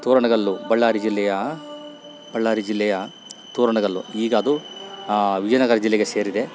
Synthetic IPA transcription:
t̪uːɾɐɳɐɡɐɭːubɐɭːaːɾid͡ʒilːɛjɐ | b̥ɐɭːaːɾid͡ʒilːɛjɐ | t̪uːɾɐɳɐɡɐɭːṵiːɡɐɐd̪u | ʋid͡ʒɐnɐɡɐɾɐd͡ʒilːeɡese̞ːɾid̪e̞

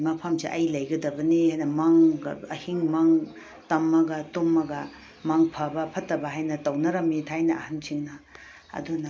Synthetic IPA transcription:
mɐpʰamsiʔɐjlɐjɡɐdɐbɐnihajnɐmaŋɐhiŋmaŋ | tɐmːɐɡɐtomːɐɡɐ | maŋpʰɐbɐpʰɐtːɐbɐɦajnɐtɐwnɐɾɐmitʰajnɐɐhansʰiŋnɐ | ɐ̰dunɐ

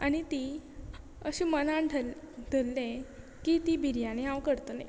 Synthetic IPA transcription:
aɽ̃it̪i | əɕimənaɖʱə | d̪ʱəlːẽ | kit̪ibʱiɾjaneɦãwkəɾt̪olḛ̃

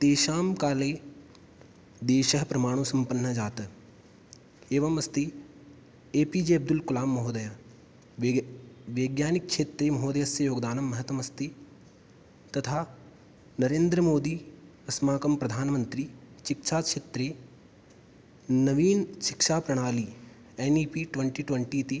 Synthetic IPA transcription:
t̪eːʃaːmkaːleː | d̪eːʃɐɦpɾɐmaːɽ̃oːsɐmpɐnːɐd͡ʒaːt̪ | eːʋɐmɐst̪i | eːpiːd͡ʒeːɐb̚d̪ʊlkulaːmːɐɦoːd̪ɐja | ʋeːɡjaːnɪk̚ʃʰeːt̪ɾeːmɐɦoːd̪ɐjɐsjɐjoːɡd̪aːnɐmːɐɦɐt̪ʋɐmɐst̪i | t̪ɐt̪ʰaː | nɐɾẽːnd̪ɾəmoːd̪iː | ɐsmaːkɐmpɾɐd̪ʱaːnmɐ̃nt̪ɾiʃɪkʃaːʃʰeːt̪ɾeː | nɐʋiːnʃɪkʃaːpɾɐɽ̃aːliː | eːniːpiːʈʋeɳʈiʈʋɐɳʈiːt̪i

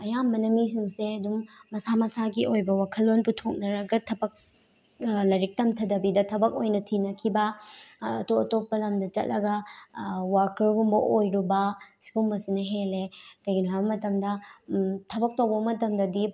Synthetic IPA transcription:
ɐjambɐnɐmis̬iŋseɐdumːɐsamɐsaɡiojbɐwakʰɐlːonputʰok̚nɐɾɐɡɐtʰɐbɐk̚ | lɐɾik̚tɐmtʰɐdɐbidɐtʰɐbɐk̚ojnɐtʰinɐkʰibɐ̰ː | toɐtopːɐlɐmdɐt͡ʃɐ̰t̚lɐɡɐ | waɾkɐɾɡumbɐʔojɾubɐsi̥ɡumbɐsinɐɦelekɐjɡinoabɐmɐtɐmdɐ | tʰɐbɐk̚tɐwbɐbɐmɐtɐmdɐdi

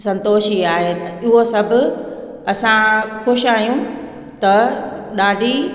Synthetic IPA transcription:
sɐ̃nt̪oːʃiaːɦet̪ɪɦosɐbʱʊ̆ | ɐsãxʊʃaːijũ | t̪ɐɗaːɖʱi

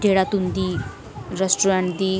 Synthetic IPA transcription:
dʱeɽat̪und̪iː | ɾesʈuɾãɳʈd̪iː

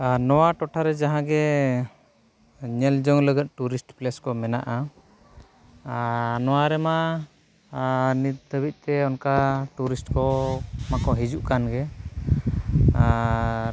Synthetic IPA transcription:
nɔwaʈɔʈʰaɾɛd͡ʒaɦãɡɛ | ɲɛld͡ʒɔŋləɡət̪̚ʈuɾisʈplɛskɔmɛnaʔa | nɔwaɾɛma | nit̪̚d̪ʰʱəbic̪̚ˀt̪ɛɔnkaʈuɾisʈkɔmakɔɦid͡ʒuʔkanɡɛ

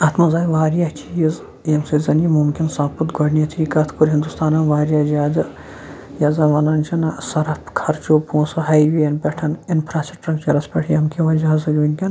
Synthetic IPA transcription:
ɐt̪ʰmɐzaːjiʋaːɾjat͡ʃiːz | emsɐzɐnimumkʲinsãːput̪ɡʱɐɖnit̪ʰiːkɐt̪ʰkuɾɦind̪ust̪aːnɐʋaːɾʲjaːd͡ʒʲaːd̪ɨ | jɐzɐʋɐnɐnt͡ʃʰɐnɐsɐɾɐpʰkʰɐɾt͡ʃopuːsɐɦɐjʋiɐnpʲeʈʰɐninpʰɾaːt͡ʃɐʈɾɐkt͡ʃɐɾɐspʲɐʈʰijɐmkʰiʋɐd͡ʒaɦzɐɡʲunʲkʲɐn

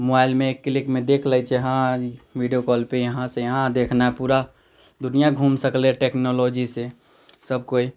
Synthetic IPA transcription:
mobaːɪlmẽːkːlɪkmẽd̪ekʰləjt͡ʃʰeɦãʋiɖijokɔːlpejəɦãsejəɦãd̪eːkʰnaɛpuːɾa | d̪ʊnijaɡʱuːmsəkleʈeːknolod͡ʒise | səb̚koi

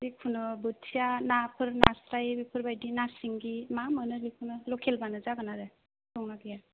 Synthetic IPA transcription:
ɾikʰunɔbɯtʰijanapʰɯɾnasɾajbipʰɯɾbajdinasiŋɡimamɯnɯlikʰunɯlɔkʰelbanɯzaɡanaɾɯ | tɔŋnaɡija

